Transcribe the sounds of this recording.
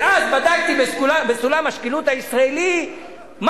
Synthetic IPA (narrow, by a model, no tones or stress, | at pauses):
ʔazbad̪aɡt̪ibeslabesulamaʃkilut̪haisʁaeli | m